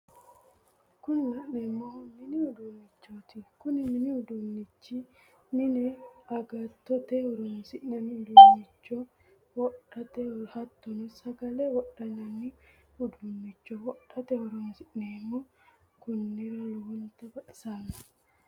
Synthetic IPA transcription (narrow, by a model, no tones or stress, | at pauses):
kʊnɪwɐʔnɛmːɔnmɪnɪhʊd̪ʊmːɪt͡ʃːoːt̪ɪkʊnɪmɪnɪhʊd̪ʊnːɪt͡ʃːi | nɪnɛɐɡɐt̪ːɔt̪ɛhʊɾʊnsɪʔnɐnːɪhʊd̪ʊmːɪt͡ʃːɔ | wɔᶑɐt̪ɛhɐt̪ːɔnʊsɐɡɐlɛwɔᶑːɐnɐnːɪ | hʊd̪ʊmːɪt͡ʃːɔwɔʔɐt̪ɛhɔɾɔnsɪʔnemːɔ | kʊnːɪɾɐlwɔnt̪ɐbɐᶑɐ̥saːnɐ̥